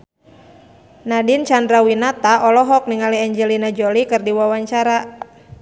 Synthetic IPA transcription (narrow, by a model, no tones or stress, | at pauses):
nadint͡ʃandɾawinat̪aʔɔlɔɦɔk̚niŋaliaɲd͡ʒɛlinad͡ʒɔlikɨrdiwawaɲt͡ʃaɾa